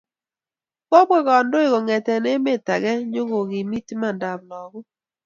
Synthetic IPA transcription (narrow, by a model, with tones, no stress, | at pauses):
bɔ˦bɡɔ˦ɡɔ˨ndo˦ɪ˦˨ɡɔ˨ŋɛ˨tɛ˨ne˦me˦˨ta˨ɡɛ˦ɲo˦ɡo˨ɡɪ˨mi˦tma˦˨nda˨blɔ˨ɡʊ˦